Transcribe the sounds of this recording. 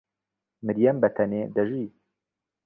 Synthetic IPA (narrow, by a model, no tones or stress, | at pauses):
mɨɾjɛmbɛt̪ʰɛneːd̪ɛʒi